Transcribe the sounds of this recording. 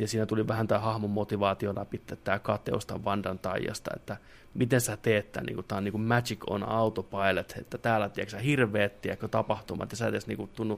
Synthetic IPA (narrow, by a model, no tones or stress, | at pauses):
jɑsiːnæt̪uliʋæhænt̪æːhɑhmomːot̪iʋɑːt̪iolɑ̰pit̪ːet̪t̪æːkɑt̪ḛo̰st̪ɑ̰ʋʋɑndɑnt̪ɑijːɑ̰st̪ɑ̰ḛt̪ːæ | mit̪ensæt̪eːt̪ːæ̰ːnḭːŋkutt̪ɑniːŋkummæt͡ʃikʰo̰nɑut̪opɑilet̪ḛt̪ːæt̪æːlːæt̪ieksæhirʋˑeːt̪t̪iekːøt̪ɑpɑht̪umɑ̰t̪jɑsæeesnḭːkut̪t̪ːunːu